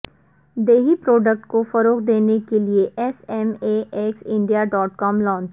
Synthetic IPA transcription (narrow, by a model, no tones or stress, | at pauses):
d̪eːɦipɾoːɖək̚ʈkofɐɾoːkd̪eːnekelieʔɛsɛmeʔɛːksɪ̃ɳɖijaɖɔːʈkɔːmlɔ̃ːnt͡ʃ